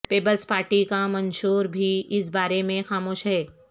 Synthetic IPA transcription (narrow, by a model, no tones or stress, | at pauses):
peːpəlspaːɾʈikamɐ̃nʃuːɾbʱiɪsbaːɾemẽxaːmoːʃɦɛː